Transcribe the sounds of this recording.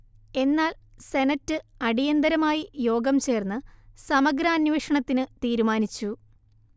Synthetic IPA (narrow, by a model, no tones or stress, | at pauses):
e̞nːaːlse̞nɐtːɨɐɽijɐnd̪ɐɾɐmaːjijo̞ːɡɐmt͡ɕe̞ːrnːɨsɐmɐɡɾaːnʋeːʂɐɳɐt̪ːinɨt̪iːɾumaːnit͡ɕːu